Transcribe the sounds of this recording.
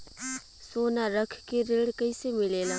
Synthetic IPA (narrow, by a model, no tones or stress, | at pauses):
sonarakʰə̥kːirelkajsemilela